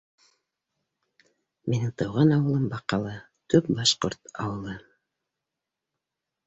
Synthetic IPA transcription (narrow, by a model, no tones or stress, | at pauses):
menɘŋt̪ɤ̆wʁɑnɑwɤ̆lˠɤmbɑqɑlˠɤ | t̪ɵp̚bɑʃqo̰ɾt̪ɑ̰wɤ̆lˠɤ